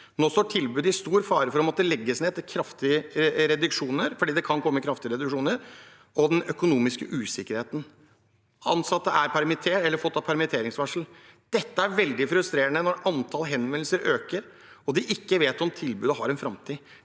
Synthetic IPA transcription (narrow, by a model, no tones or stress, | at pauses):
noːst̪oːʈʰɪlbʉːd̪ɪst̪uːɾfɑːɾəfɔɾɔmɑt̪̚d̪ɛlɛɡːəsneːd̪kʰɾɑft̪ɪəɾɛd̪ʉkʂuːnəɾfɔɖiːd̪ɛkʰɑnkʰɔmːəkʰɾɑft̪ɪəɾɛd̪ʉkʂuːnəɾ | ɔd̪ɛnœkʊnuːmɪskəʔʉːsɪkːəɾheːt̪n | ɑ̰nsɑt̪ːəʔæɾpʰæɾmɪt̪ʰeːʈɛlːəɾfɔt̪ːɑpʰæɾmɪt̪ʰeːɾɪŋsʋæʂl̩ | d̪̥ɛt̪ːəæɾʋɛld̪ɪfɾʉst̪ɾeːɾəɳənɔɾʔɑnt̪ʰɑːlɦɛnʋɛnl̩səɾʔøːkəɾ | ɔd̪ɪʔɪkːəʋeːt̪ɔmt̪ʰɪlbʉːd̪əɦɑɾɛnfɾɑmt̪ʰiː